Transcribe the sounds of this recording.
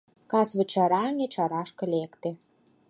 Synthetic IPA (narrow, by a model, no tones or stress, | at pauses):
kɑsvɘ̆t͡ɕɑɾɑŋʲĕt͡ɕɑɾɑʃkɤ̆lʲekt̪e